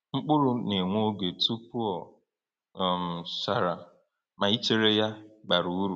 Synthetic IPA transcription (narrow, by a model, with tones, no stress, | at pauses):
ŋ͡m̩˦k͡pʊ˦ɾʊ˦ne˨ŋʷo˦ɡe˨tu˦pu˦ɔ˨ | m̩˨sa˨ɾa˨ | ma˨i˦t͡ʃe˦ɾe˦ja˦ɡ͡ba˨ɾu˨˦u˦ɾu˨